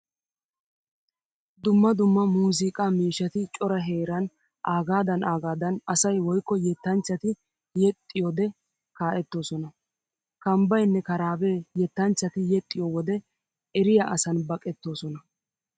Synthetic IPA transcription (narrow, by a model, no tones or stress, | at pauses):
d̪ʊmːɐd̪ʊmːɐmuːs̬ɪkʼaːmiːʃɐt̪ɪt͡ʃʼɔɾɐɦeːɾɐn | ʔaːɡaːd̪ɐnʔaːɡaːd̪ɐnɐsɐjwɔjkːɔjɛt̪ːɐnt͡ʃːɐt̪ɪ | jɛt̪ʼːɪjoːd̪ɛ | kaːʔɛt̪ːo̞ːsɔnɐ | kɐmbɐjnːɛkɐɾaːbeːjɛt̪ːɐnt͡ʃːɐt̪ɪjɛt̪ʼːɪjowɔd̪ɛ | ɛɾɪjɐʔɐsɐnbɐkʼɛt̪ːo̞ːsɔnɐ